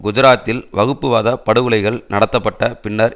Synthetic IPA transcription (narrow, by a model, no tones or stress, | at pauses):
ɡʊd͡ʒɪɾaːt̪ːɪlʋɐɣɯpːɯʋaːðɐpɐɽɯʋɯɭɐɪɣɐɭnɐɽɐt̪ːɐpːɐʈːɐpɪɳːɐɾ